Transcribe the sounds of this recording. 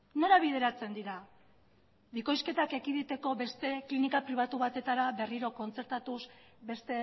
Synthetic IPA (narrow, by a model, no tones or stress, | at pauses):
no̞ɾaβ̞ið̞e̞ɾat͡se̞nd̪iɾa | βiko̞jske̞t̪ake̞kiðit̪e̞ko̞βe̞st̪e̞klinikapɾiβ̞at̪uβat̪e̞t̪aɾaβe̞riɾo̞ko̞nt͡se̞ɾt̪at̪us | be̞st̪e̞